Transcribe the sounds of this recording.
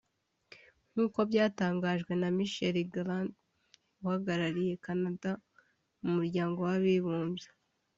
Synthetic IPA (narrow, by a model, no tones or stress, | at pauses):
ŋ̥uːkobɟaːtaːŋɡaːʒɡwe̞namiʃeɾiɡland | uhaɡaɾaɾije̞kanada | mumuɾɟaːŋɡo̞waβiβuːnze